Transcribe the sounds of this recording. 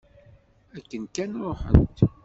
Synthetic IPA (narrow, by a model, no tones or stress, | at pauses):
ækːənkænɾˤoħə̰nt̪